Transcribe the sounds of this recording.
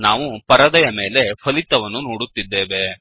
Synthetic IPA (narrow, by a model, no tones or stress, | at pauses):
naːʋupɐɾɐd̪ɐjɐme̞ːle̞pʰɐlit̪ːɐʋɐnːunoːɽut̪ːid̪ːeːʋe̞